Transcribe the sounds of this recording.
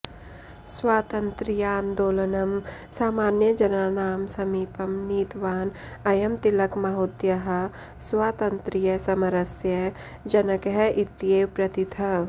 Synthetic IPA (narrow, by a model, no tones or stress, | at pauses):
swaːt̪ɐnt̪ɾijaːnd̪oːlɐnɐmsaːmaːnjɐd͡ʒɐnaːnaːmsɐmiːpɐmniːt̪ʋaːn | ɐjɐmt̪ilɐkmɐɦoːt̪jɐɦɐ̆ | swaːt̪ɐnt̪ɾijɐsɐmɐɾɐsjɐ | d͡ʒɐnɐkɐɦɐʔɪt̪jeːwpɾɐt̪it̪ʰɐ